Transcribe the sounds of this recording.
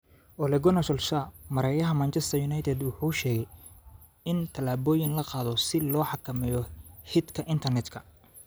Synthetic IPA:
ʔɔlɛɡɔnɐʃɔlʃamɐɾɛjɐɦɐmɐnt͡ʃʰɛst̪ʰɐjʊnɑjt̪ʰɛd̪wʊħuːʃɛːɣɛj | ɪnt̪ʰɐlaːβɔːjɪnlɐqɑːðɔsɪlɔːħɑkʰɐmɛjɔhɪd̪kʰɐʔɪnt̪ʰɐrnɛd̪kʰɐ

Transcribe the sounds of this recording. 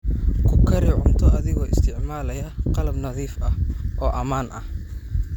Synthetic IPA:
kʰʊkʰɐɾiːʕʊnt̪ʰɔɐðɪɣɔːɪ̰st̪ʰɪʕmaːlɐjɐqɑlɐbnɐðiːfɐhʔɔːʔɐmaːnʔɐh

